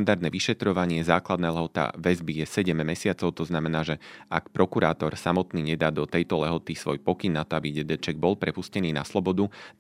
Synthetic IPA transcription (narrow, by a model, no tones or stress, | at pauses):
nd̪aɾd̪nɛːʋiʃɛt̪ɾɔʋaɲɪɛzaːklad̪nɛːlɛɦɔt̪a̰ʋɛzbijɛsɛɟɛmːɛsɪat͡sɔʊt̪ɔznamɛnaːʒɛakpɾɔkuɾaːt̪ɔɾsamɔt̪niːɲɛd̪aːd̪ɔt̪ɛjt̪ɔlɛɦɔt̪isʋɔjpɔkinːat̪ɔabiɟɛd̪ɛt͡ʃɛɡ̚bɔlpɾɛpuscɛniːnaslɔbɔd̪u